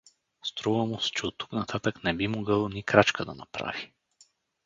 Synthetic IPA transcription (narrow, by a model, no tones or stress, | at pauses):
st̪ɾuvɐmusɛ̥t͡ʃɛot̪ːu̥knɐt̪ʰat̪əknɛbimoɡəlˠnikɾat͡ʃkəd̪ɐ̰nɐ̰pɾa̰vi